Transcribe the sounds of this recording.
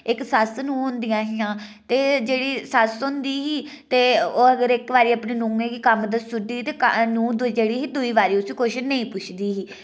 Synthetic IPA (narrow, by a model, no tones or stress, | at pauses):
ɪksəsnũːɦʊ̃nd̪ɪjãːɦɪjãːt̪eːd͡ʒeːɽiːsəsõnd̪iːɦiː | t̪eːoːəɡəɾɪkʋaːɾiːəpɳiːnũːŋẽːkikəmd̪əst̪ʊɖiːt̪eːknũːd̪ʊd͡ʒeːɽiːɦiːd̪ʊiːβaːɾiːʊsiːkoːʃnəĩːpʊt͡ʃʰd̪iːɦiː